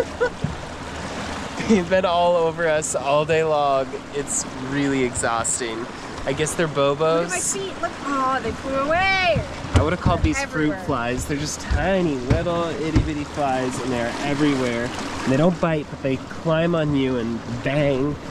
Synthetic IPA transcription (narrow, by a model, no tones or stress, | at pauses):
ðeɪvbɨ̃nɔlˠoʊvə˞ʌsɔlˠdeɪlɔ̃ŋ | ɪts | ɹɪlˠiɨɡzɔstɪ̃ŋ | aɪɡɛsðə˞boʊboʊzḁsitlʊkoðeɪfluəweɪ | aɪwʊɾɨv̥kʰɔlˠd̪̚ðiz̥fɹʉtflaɪzðə˞d͡ʒʌstʰãɪ̃niwɛɾl̩ˠɪɾivɨɾiflaɪzɨ̃nðə˞ə˞ʔɛvɹiwɛɹ̃n̩ðeɪɾõʊ̃nb̥aɪt̚b̥ʌt̪̚ðeɪkʰl̥ãɪ̃mə̃njʉɨ̃nbæ̃ŋ